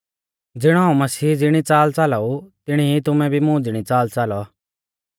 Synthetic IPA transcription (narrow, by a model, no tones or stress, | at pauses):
d͡zɪɽ̃ɔɦaːũmɐsiːd͡zɪɽ̃it͡saːlt͡salaut̪ɪɽ̃iit̪ʊmɛ̃bʱimʊ̃ːd͡zɪɽ̃it͡saːlt͡salɔa